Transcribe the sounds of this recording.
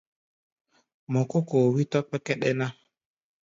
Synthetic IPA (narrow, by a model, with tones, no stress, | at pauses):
mɔ˨ko˦koː˨wi˦tɔ˦k͡pɛ˦kɛ˦ɗɛ˦na˦